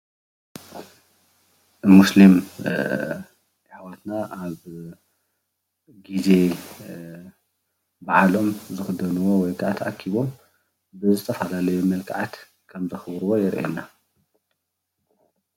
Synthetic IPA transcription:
muslim | ħawat̪naʔaβ | ɡize̞ | baʕalo̞mzɨxɨd̪ɐnuwo̞wɔjkʰaʔt̪ʰɐʔakʰːiβo̞m | bɨzɨt̪ʰɐfalalɐjumɐlkʰaʕat̪ | kʰɐmzɐxɨβɾuwo̞jɛɾʔḛna

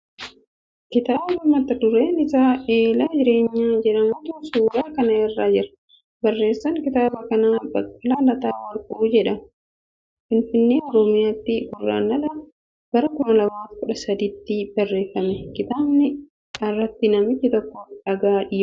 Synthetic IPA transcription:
kɪt̪aːbɐmɐt̪ːɐd̪ʊɾeːnɪsaːeːlaːd͡ʒɪɾe̞ːɲːaːd͡ʒɛᶑɐmuːt̪uːsuːɾaːkɐnɐɛrːaːd͡ʒɪɾɐ̥ | bɐrːe̞ːsːɐŋkɪt̪aːbɐkɐnaːbɐkʼːɐlaːlɐt̪aːwɐlkʼʊd͡ʒɛᶑɐm | fɪnfɪnːeːɔɾɔmɪjaːt̪ːɪbʊrːa̰ːnːɐlɐ | b̥ɐɾɐkʊmɐlɐmaːt̪kʊᶑɐsɐd̪ɪːt̪ːɪbɐrːe̞ːfːɐmɛkɪt̪aːbnɪ | ɐrːɐt̪ːɪnɐmɪt͡ʃːɪt̪ɔkːɔᶑɐɡaːᶑɪj

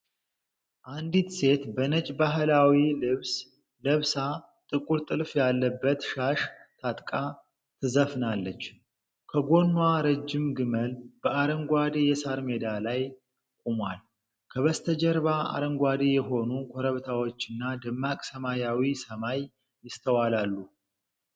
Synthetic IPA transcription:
ʔand̪it̪se̞t̪bənət͡ʃʼbaɦlawilɨβs | ləβsa | t̪ʼɨkʼuɾt̪ʼɨlfjalːəbːət̪ʃaʃt̪ʰat̪ʼkʼa | t̪ʰɨzəfnalːət͡ʃː | kʰəɡo̞nːwaɾəd͡ʒːɪmɡɨməlb̥əaɾəŋɡʷad̪ijɛsaɾmed̪alaj | kʼumwal | kʰəβəst̪ʰəd͡ʒɛɾβaa̰ɾəŋɡʷad̪ijɛɦo̞nukʷʰoɾəβt̪ʰawo̞t͡ʃːɪnːad̪ɨmːakʼsəmajawisəmajː | ɪst̪ʰəwalalːu

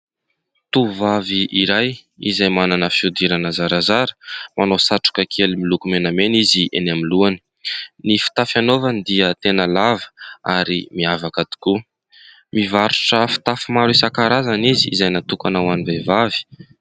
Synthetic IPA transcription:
t̪uvaviʔiɾaj | ḭzajmananəfiud̪iɾanəzaɾazaɾə̥manosaʈ͡ʂu̥kʲəkʰelimilukumenameniziʔḛnamiluani̥ | nifi̥t̪afanovanid̪iət̪enəlavə̥aɾimiavakad̪i̥ku | mivaɾuʈ͡ʂəfi̥t̪afimaɾisakaɾazaniziḭzajnat̪ukanawanivevavi̥

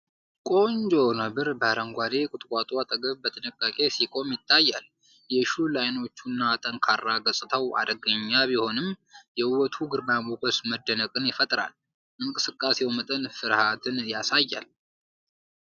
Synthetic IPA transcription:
kʼo̞ɲd͡ʒo̞nəbɨɾbəaɾəŋɡʷad̪ekʼʊt̪ʼkʼat̪ʼwat̪ʼəɡəβbət̪ʰɨnɨkʼːakʼe̞sikʼo̞mjɪt̪ʰːajːa̰l | jɛʃulajno̞t͡ʃːunːat̪ʼənkʰarːaɡəsʼɨt̪ʰəwa̰d̪əɡəɲːabiho̞nɨmjɛɨwɔt̪ʰuɡɨɾbamokəsməd̪ːənəkʼɨnjɪfət̪ʼɾa̰l | ʔɨŋkʼɨsɨkʼːasewmət̪ʼənfɨɾhat̪ʰɨnjasajːa̰l

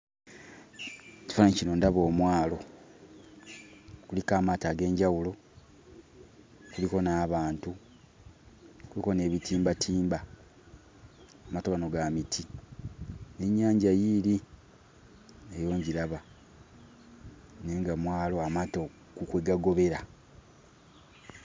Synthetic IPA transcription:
ci̥fanaɲcino̞ndaβo̞ːmwaːlo̞ | kulikaːmaːtaːɡe̞ːɲɟawulo̞ | kuliko̞naːβaːntu | kuliko̞ne̞ːβitʰiːmbatʰiːmba | amatoɡano̞ɡamitʰi | neɲːaːɲɟajili | ejo̞ːɲɟiɾaβa | neŋɡamwaːlo̞amaːto̞ | kukweɡaɡo̞βe̞ɾa

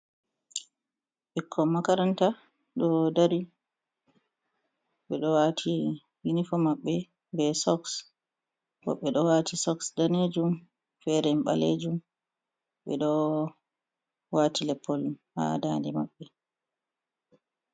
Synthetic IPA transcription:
ɓikʰːɔmakaɾanta | ɗɔdaɾi | ɓɛɗɔwatʰi | winifɔmaɓːɛ | bɛsɔks | wɔ̰ɓːɛɗɔwatʰisɔksdaned͡ʒum | fɛɾɛmɓa̰led͡ʒum | ɓɛ̰ɗɔ | waːtʰilɛpʰːɔlha̰dandɛmaɓːɛ

